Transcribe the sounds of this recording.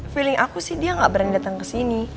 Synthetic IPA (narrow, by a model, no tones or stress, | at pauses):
filɪŋʔakusɪhdiaŋɡaʔbəɾanidat̪aŋkəsini